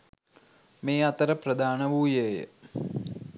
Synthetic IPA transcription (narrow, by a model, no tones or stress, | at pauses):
meːɐt̪ɐɾɐpɾɐd̪ʱaːnɐʋuːjeːjə̰